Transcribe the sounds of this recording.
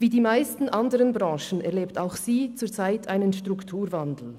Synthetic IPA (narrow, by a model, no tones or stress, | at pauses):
viːdiːmaɪstn̩ʔandəʁənbʁɑ̃ːʃn̩ɛ̰ʁleːptaʊxsiːt͡suːɐt͡saɪtʰʔaɪnənʃtʁ̥ʊktʰuːɾvandl̩